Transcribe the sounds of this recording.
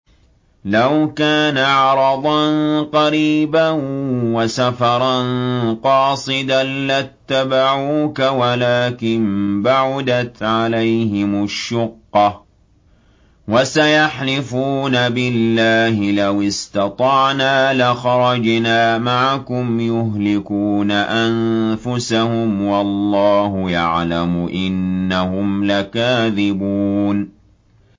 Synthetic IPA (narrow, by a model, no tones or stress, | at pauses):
lawkaːnaʕɑɾˤɑd̪ˤɑnqɑɾiːbawasafɑɾˤɑnqɑːsˤɨd̪anlat̪ːabaʕuːkawalaːkɪnbaʕʊd̪at̪ʕalajhɪmʊʃːʊqːɑ | wasajaħlɪfuːnabɪlːaːhɪlawɪst̪ɑt̪ˤɑʕnaːlɪxɑɾˤɑd͡ʒnaːmaʕakʊmjʊɦlɪkuːnaʔanfʊsahʊmwɑlˤːɑːhʊjaʕlamʊʔɪnːahʊmlakaːðɪbuːn